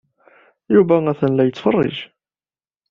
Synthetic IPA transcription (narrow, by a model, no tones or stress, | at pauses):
juvææθənlæjət͡sːfərˤːɪ̰ʒ